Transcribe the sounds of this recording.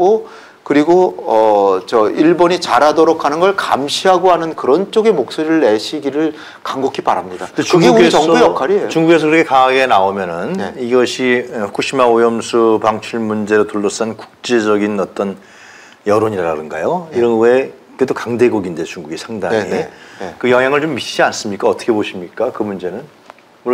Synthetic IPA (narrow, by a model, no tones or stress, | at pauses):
ɡo | kɯɾiɡoʌt͡ɕʌiɭboɲit͡ɕaɾadʌɾokʰanɯnɡʌɭka̰mɕʰiɦaɡoɦanɯnkɯɾʌnt͡ɕ͈oɡe̞mok̚s͈oɾiɾɯɭːe̞ɕʰiɡiɾɯɭ | kaŋɡokʰipaɾamɲidaekɯɡʌŋjʌkʰaɾiet͡ɕuŋɡuɡe̞sʰʌkɯɾʌkʰekaŋaɡe̞naomjʌnɯnneiɡʌɕʰikuɕʰimaojʌmsʰupaŋt͡ɕʰuɭmund͡ʑe̞ɾotuɭːʌs͈anku̥k̚t͡ɕ͈e̞d͡ʑʌɡinʌt͈ʌn | jʌɾoɲiɾaɾadɯnɡajoiɾʌnwe | kedokaŋde̞ɡoɡindet͡ɕuŋɡuɡisʰaŋdaŋikɯjʌŋɦjaŋɯɭt͡ɕomːiɕid͡ʑians͈ɯmɲik͈aʌt͈ʌ̥kʰeboɕʰimɲik͈akɯmund͡ʑe̞nɯn | wʌ